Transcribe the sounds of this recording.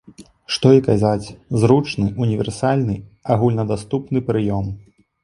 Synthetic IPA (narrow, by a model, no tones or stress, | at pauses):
ʂt̪ɔikazat͡sʲzɾut͡ʂnɨʔunʲivʲɛ̰rsalʲnɨaɣulʲnɐd̪ast̪upnɨpɾɨjɔm